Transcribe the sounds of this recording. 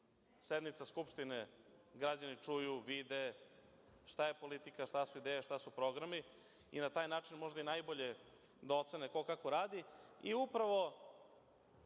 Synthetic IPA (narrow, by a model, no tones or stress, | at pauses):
sed̪mit̪saskupʃt̪ineɡɾad͡ʑanit͡ʂujuʋid̪e | ʃt̪aje̞po̞lit̪ikaʃt̪asuid̪eːjaʃt̪asupɾo̞ɡɾami | ḭnat̪aːjnaːt͡ʃinmo̞ʒd̪ainajboʎe | d̪aot̪seneko̞kako̞ɾaːd̪iiupɾaʋo̞